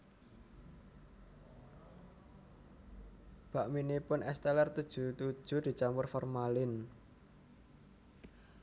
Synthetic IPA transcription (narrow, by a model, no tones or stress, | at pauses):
b̥a̤ʔminipʊnʔɛst̪ɛlɛrt̪ud̥ʒ̥ṳt̪u̥ʒ̥ṳd̪̥i̤t͡ʃamʊrfɔrmalɪn